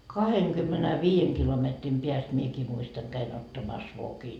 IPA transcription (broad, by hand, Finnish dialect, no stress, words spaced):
kɑheŋkymːenæʋiːjeŋ kilometrim piæst miekiː muistɑŋ kæin otːɑmɑs ʋokin